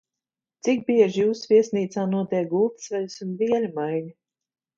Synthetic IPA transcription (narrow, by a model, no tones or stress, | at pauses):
t̪sik̚biɛʒjuːsviɛsʲniːt̪saːnuɔt̪iɛɡuːksvɛlusunviɛlʲimajnʲi